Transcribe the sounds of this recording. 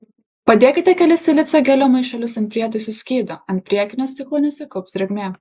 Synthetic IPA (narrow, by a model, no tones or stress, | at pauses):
pɐd̪ʲeːkʲɪt̪ʲɛkʲɛlʲɪsʲɪlʲɪt̪soːɡʲɛlʲoːmɐɪʃʲɛlʲʊsɐnt̪pʲɾʲiɛt̪ɐɪsʊsʲkʲiːd̪oɐnt̪̚ʲpʲɾʲiɛkʲɪnʲoːst̪ʲɪklˠoːnʲɛsʲɪkɔʊpʲsʲɾʲɛɡʲmʲeː